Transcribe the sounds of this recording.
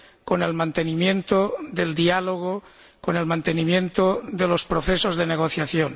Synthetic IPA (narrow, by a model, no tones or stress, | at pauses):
kone̞lmãnt̪enimjẽnt̪oðeld̪ialoɣ̞o | kone̞lmãnt̪enimjẽnt̪oðelospɾoθesozðeneɣ̞oθjaθjon